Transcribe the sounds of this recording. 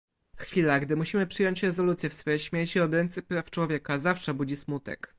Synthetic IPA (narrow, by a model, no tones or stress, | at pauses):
xfʲilaɡd̪ɘmuɕimɘpʂɘjɔɲt͡ɕɾɛzɔlut̪sʲjɛfsfɔjɛjɕmʲjeɾt͡ɕiɔd̪ɾɛnt̪sɘpɾaft͡ʂwɔvʲjɛkazafʂɛbud͡ʑismut̪ɛ̰k